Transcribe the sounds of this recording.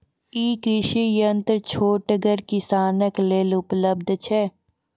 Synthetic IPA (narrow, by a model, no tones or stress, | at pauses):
iːkɾɪʃijənt̪ɾt͡ʃʰoːʈəɡəɾkɪsaːnəkleːlʊpləbd̪ʱt͡ʃʰɛː